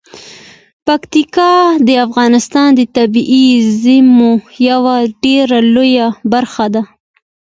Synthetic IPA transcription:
pakt̪ikɑd̪əafɣɑnɪst̪ɑnd̪ət̪abiʔizɪmojawaɖeɾalojabaɾxad̪a

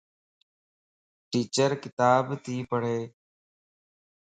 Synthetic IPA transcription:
ʈiːt͡ʃəɾkɪt̪aːbt̪ʰiːpəɽ̤eː

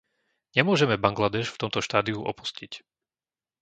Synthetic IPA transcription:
ɲɛmʊɔʒɛmɛbaŋɡlad̪ɛʃft̪ɔmt̪ɔʃt̪aːd̪iuʔɔ̰pu̥scic

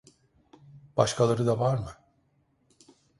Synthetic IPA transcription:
b̥aʃkʰalˠaɾɯd̪avaɾmɯ

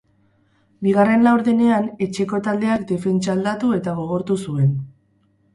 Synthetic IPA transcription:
biɣ̞are̞nlawɾðene̞ane̞t͡ʃe̞ko̞t̪ald̪e̞akd̪e̞fe̞nt͡ʃaːld̪at̪ue̞t̪aɣ̞o̞ɣ̞o̞ɾt̪usue̞n

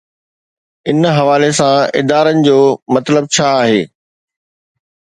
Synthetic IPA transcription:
ɪnɦɐʋaːlesãɪ̰d̪aːɾənɪ̆d͡ʑoːmɐt̪ləb̚t͡ɕʰaːɦeː

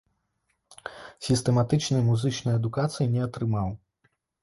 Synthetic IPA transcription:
sʲist̪ɛmat̪ɨt͡ʂnɨjmuzɨt͡ʂnɐjɛd̪ukat̪sɨjinʲɛat̪ɾɨmaw

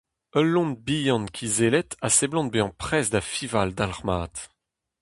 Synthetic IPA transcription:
œlːɔ̃nbijɑ̃nkʲʰizelɛt̪aseblɑ̃t̪̚beɑ̃pχɛsd̪afivald̪alʁmaːt̪

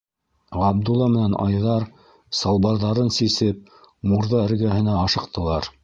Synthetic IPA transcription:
ʁɑb̚d̪ulˠːɑmɘ̆nænɑ̰jðɑɾ | sɑlˠbɑɾðɑɾɤnsisɘp̚ | muɾðɑɘ̆ɾɡæhɘ̆næɑʃɤ̆qt̪ɤ̆lˠɑɾ

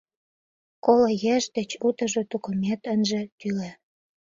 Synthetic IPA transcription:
kolojeʃd̪ĕt͡ɕut̪ə̆ʒot̪ukomet̪ənʒĕt̪yle

